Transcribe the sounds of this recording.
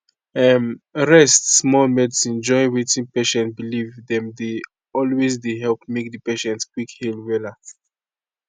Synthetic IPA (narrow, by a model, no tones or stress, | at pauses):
ɛmɹɛstsmɔlmɛdsɛ̃nd͡ʒɔjwetĩnpeʃɛ̃ntbilivdɛ̃mde | ɔlwezdeɦɛlpmek̚dəpeʃɛ̃ntskwikhilwɛla